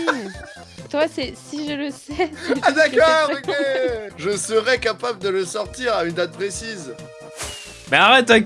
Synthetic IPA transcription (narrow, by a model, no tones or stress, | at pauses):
t̪wasɛsiʒələsɛad̪akɔʁokʲeʒəsəʁɛkapabləd̪ələsɔʁt̪iʁaynd̪at̪̚pχesiz | mɛaʁɛt̪a